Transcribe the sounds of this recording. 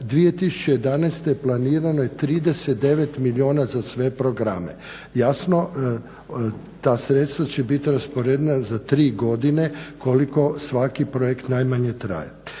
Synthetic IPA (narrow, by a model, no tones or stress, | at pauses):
d̪ʋije̞t̪isu̥t͡ʃejed̪anajst̪ejeplˠaniːɾanojet̪ɾiːd̪eset̪̚d̪eʋet̪milioːnazasʋe̞pɾoɡɾa̰mḛ | jasno | t̪aːsɾet̪st̪ʋat͡ɕebit̪iɾaspoɾeːd̪nazat̪ɾiːɡo̞d̪ine̞koliko̞sʋakipɾojekt̪najmaɲe̞t̪ɾa̰ːja